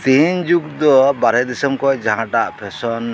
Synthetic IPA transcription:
t̪iɲd͡ʒukd̪ɔbaɾɛd̪isɔmkɔjd͡ʒaɦãʈaʔpʰɛsɔn

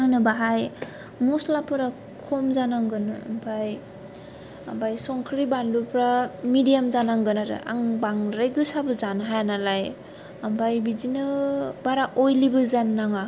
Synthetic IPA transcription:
ŋnɯbaɦaj | mɔslapʰɯɾa | kʰɔmzanaŋɡɯnɯa̰mpʰaj | a̰mbajsɔŋkʰɾibandupʰɾamidijamzanaŋɡɯnaɾɯ̰ʔa̰ŋbaŋɾajɡɯsabɯzanɦajanalaj | ambʰajbizinɯbaɾaʔɔjlibɯzanːaŋa

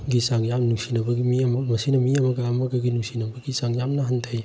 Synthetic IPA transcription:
ɡisaŋjamnusinɐbɐɡimiɐmɐmɐsinɐmiɐmɐɡaːmɐɡɐɡinusinɐbɐɡisaŋjamnɐɦantʰaj

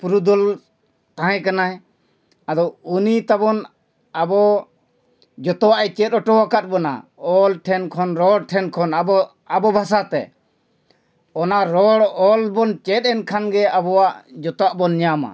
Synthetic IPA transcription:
puɾud̪ɔl | t̪aɦɛ̃kanaɛ | ad̪ɔunit̪abɔn | abɔ | d͡ʒɔt̪ɔwaʔɛt͡ʃɛt̪ɔʈɔwakat̪̚ˀbɔna̰ɔlʈʰɛnkʰɔnɾɔɽʈʰɛnkʰɔnabɔ | abɔbʱasat̪ɛ̰ | ɔnaʔɾɔɽɔlbɔnt͡ʃɛt̪̚ɛnkʰanɡɛabɔwaʔd͡ʒɔt̪ɔwaʔbɔnɲama̰

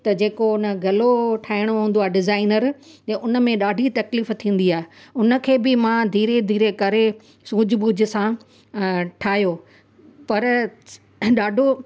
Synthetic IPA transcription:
t̪ɐd͡ʑeːkonə̆ɡʱɐloʈʰaːɪɽ̃oɦũːn̆d̪oaːeɖɪzaːɪnəɾɐʊnə̆mẽɗaːɖʱit̪ɐkliːft̪ʰĩːn̆d̪iaːɦeʊnə̆kʰeːbɪmãd̪ʱiːɾed̪ʱiːɾekɐɾe | sũːd͡ʑʱbuːd͡ʑɪsã | ʈʰaːɦijo | pɐɾ | ɗaːɖʱo

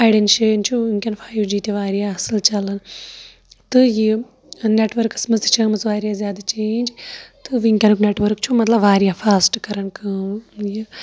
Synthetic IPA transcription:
aːjɖenʃeːnt͡ʃʰuʋiŋkʲɐnfʰaːjuʋd͡ʒiːt̪iʋaːɾijaɐsɨlt͡ʃɐlɐn | t̪ɨji | neʈʋɐɾkɨ̥smɐst͡ʃʰɐːmɐt͡sʋaːɾjazjaːd̪at͡ʃeːnʲd͡ʒt̪ɨʋiŋkʲɐnukneːʈʋɐɾkt͡ʃʰumɐt̪lɐbʋaːɾijafʰaːsʈkɐɾɐnkɐːji

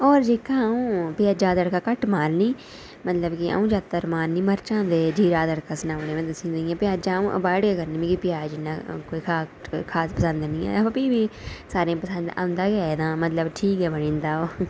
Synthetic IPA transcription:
ɔːɾd͡ʒeːkãːũːpɪjaːd͡ʒaːd̪əɽkaːkəʈmaːlnĩː | mət̪ləbkɪa̰ũːd͡ʒaːt̪ːəɾmaːnnĩːməɾt͡ʃãːnd̪eːd͡ʒiːɾaːd̪əɽkaːsənaːʋɽẽːmẽt̪əsĩːnd̪eiãːpɪjaːd͡ʒãːũːʔə̰baːɽkeːkəɾnĩːmĩːkipɪjaːd͡ʒɪnːaːkoːiːkʰaːkʰaːspəsə̃nd̪nĩːɛ̰ːʋəpiːbiːsaːɾẽːpəsə̃nd̪a̰nd̪aːkɛːnãːmət̪ləbʈʰiːkɦɛːbənĩːnd̪aːoː

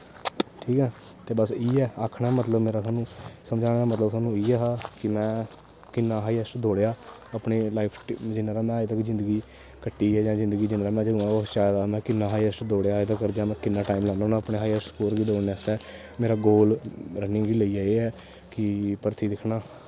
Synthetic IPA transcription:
ʈʰiːkɛː | t̪eːbəsiːɛːaːkʰɳaːmət̪ləbmeːɾaːsaːnũːsəmd͡ʒaːaːmət̪ləbsaːnũːiːɛːɦaːkɪmɛ̃ː | kɪnːaːɦaːiːɛsʈd̪oːɽejaː | əpɳeːlaːɪpʰʈd͡ʒɪnaːɾaːmɛ̃ːaːet̪akizɪ̃nd̪əɡiː | kəʈːiːɛːd͡ʒãːzɪ̃nd̪ɡiːd͡ʒɪnːɾaːmɛ̃ːd͡ʒəd̪ũãot͡ʃaːjd̪aːmɛ̃ːkɪnːaːɦaːiɛsʈd̪oːɽjaːt̪akəɾd͡ʒ̪ãːmɛ̃ːkɪnːaːʈaːimlɛːnanãəpneːɦaːiɛsʈkoːɾɡiːd̪oːɽɛːsʈ̪ɛː | meːɾaːɡoːlɾənɪ̃ːɡiːləiːɛːeːɛː | kɪpəɾt̪iːd̪ɪkʰnaː

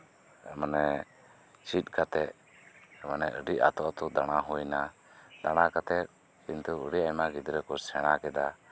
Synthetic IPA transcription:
ɛmanɛ | t͡ʃit̪̚ˀkat̪ɛʔ̪ | ɛmanɛʔəɖiʔa̰t̪ɔʔat̪ud̪aɽ̃aɦujna | d̪aɽ̃akat̪ɛʔ̪̚ | kint̪uəɾiajmaɡid̪ɾɛkɔsɛɽ̃akɛd̪a

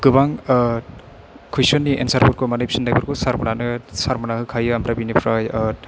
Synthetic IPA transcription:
ɡɯbaŋ | kʰujsɔnːiʔḛnsaɾpuɾkʰomanijpʰsindajbɯɾkusaɾmɔnanɯsaɾmɯnahɯkʰajɯamɾabinipʰɾaja

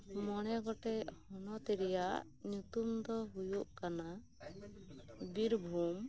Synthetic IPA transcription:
mɔɽ̃ɛɡɔʈɛʔhɔnɔt̪ɛɾɛjaʔ | ɲut̪umd̪ɔɦujuʔkana | biɾbʱum

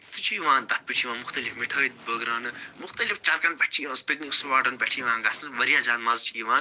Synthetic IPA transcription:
sɨt͡ʃʰijʋãːnd̪ɐt̪̚pɨt͡ʃʰiʋaːnmʊxt̪ɐlifmiʈʰəːt̪̚bəɡɾaːnɨmʊxt̪ɐlift͡ʃɐlkɐnpɐʈt͡ʃʰiʋɐ̃ːnspikniksuʋaːʈɐnbʲɛʈʰiʋãːŋɡɐsnɨʋɐɾjaːd͡ʒaːnmɐzt͡ʃʰiːʋãːn

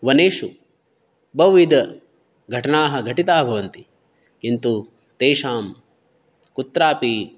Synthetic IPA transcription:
ʋɐneːʂu | bɐʋʋid̪ɐ | ɡʱɐʈɐnaːɦɐ̆ɡʱɐʈit̪aːbʱɐʋɐnt̪i | kint̪u | t̪eːʂaːm | kut̪ɾaːpi

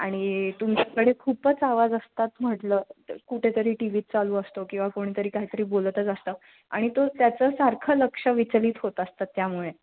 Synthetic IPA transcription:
aɽ̃it̪umt͡ɕakəɽekʰuːpət͡saʋad͡zəst̪at̪m̤əʈləːkuʈʰet̪əɾiːʈiʋiːt̪̚t͡saluːəst̪okĩw̃ʋakoɽ̃iːt̪əɾiːkaɦiːt̪əɾiːbolt̪ət͡səst̪əː | aɽ̃it̪ot̪jat͡səːsaɾkʰələkʂəʋit͡sliːt̪ɦot̪əst̪at̪ːjamuɭe

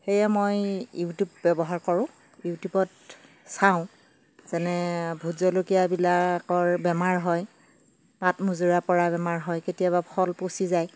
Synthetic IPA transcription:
xejɛmojjutjubbɛbɔɦaɹkɔɹʊ̃ | jutubɔt | saʊ̃ | z̥ɛnɛbʱuzɔlokijabilakɔɹbɛmaɹɦɔj | patmuzuɹapɔɹabɛmaɹɦɔjketijaβapʰɔlposizaj

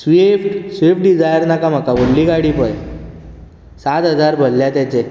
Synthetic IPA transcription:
sʋefʈsʋefʈ̚ɖid͡zajəɾnakam̤akabolːiɡaɽipəj | sat̪ɦəd͡zaɾbʱəlːjat̪jat͡ɕe

